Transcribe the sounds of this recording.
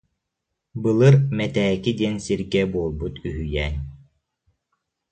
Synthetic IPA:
bɯlˠɯɾmɛt̪ɛːkid̪iɛnsiɾɡɛbuɔlˠbut̪yɦyjɛːn

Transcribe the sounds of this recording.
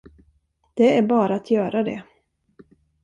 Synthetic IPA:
d̪̥ɛæɾbɑːɾaːt̪ʰjœːɾad̪ɛ̰

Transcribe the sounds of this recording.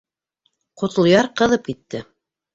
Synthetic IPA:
qŏt̪ɤ̆lˠjɑɾqɤ̆ðɤp̚kit̪ːɘ

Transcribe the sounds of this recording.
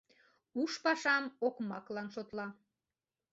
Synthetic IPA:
uʃpɑʃɑmokmɑklɑnʃot̪lɑ

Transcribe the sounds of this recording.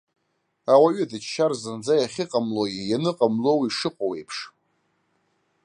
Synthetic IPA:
awaɥɪdɨt͡ʃʃarzɨnd͡zajaχʲɪqʼamloɡʲijanɨqʼamlo̞wiʂɨqʼowejpʰʂ

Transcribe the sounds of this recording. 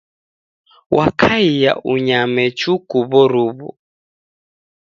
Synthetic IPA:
wʔakʰaija̰ʔuɲamɛt͡ʃukuβɔɾuβɔ̰

